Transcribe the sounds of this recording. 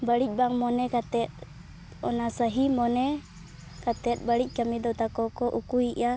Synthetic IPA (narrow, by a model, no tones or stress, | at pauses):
baɾic̚baŋmɔnɛkat̪ɛt̪̚ | ɔ̰nasaɦimɔnɛ | kat̪ɛt̪̚baɾic̚ˀkamid̪ɔt̪akɔkɔʔukuiʔa